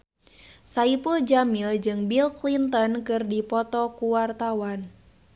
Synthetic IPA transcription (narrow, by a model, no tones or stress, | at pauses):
saipuld͡ʒamild͡ʒɨŋbilklint̪ɔnkɨrdipɔt̪ɔkuwart̪awan